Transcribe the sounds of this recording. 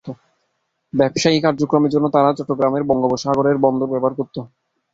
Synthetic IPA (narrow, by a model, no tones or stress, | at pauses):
o | bɛbʃaikaɾd͡ʑokɾomeɾd͡ʑonːot̪aɾat͡ɕɔʈːoɡɾameɾbɔŋɡoboʃɦaɡoɾeɾbɔnd̪ʱobɛbaɾkoɾt̪ːo